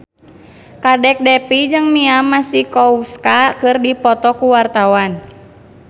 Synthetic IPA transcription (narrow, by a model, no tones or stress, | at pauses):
kadɛk̚dɛpid͡ʒɨŋniamasihkɔuskakɨrdipɔt̪ɔkuwart̪awan